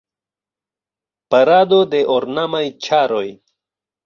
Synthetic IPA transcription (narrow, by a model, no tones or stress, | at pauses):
paɾaːd̪od̪eʔoɾnamajt͡ʃʰaːɾoj